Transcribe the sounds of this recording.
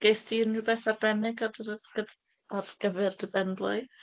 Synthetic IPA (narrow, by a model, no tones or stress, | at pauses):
ɡ̥ejsdinɨbɛːθarbɛnɪɡɔdɡə | ɔrɡ̥əvɛrdəbɛndlˠʊɨ